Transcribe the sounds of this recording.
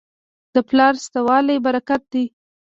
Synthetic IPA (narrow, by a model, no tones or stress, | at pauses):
d̪̥əplɑɾst̪awɑlajbaɾakat̪̚d̪i